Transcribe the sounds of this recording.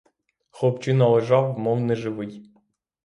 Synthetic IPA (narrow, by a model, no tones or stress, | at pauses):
xɔpt͡ʃɪnɐlˠeʒɑwmɔwnɛʒɪʋɪj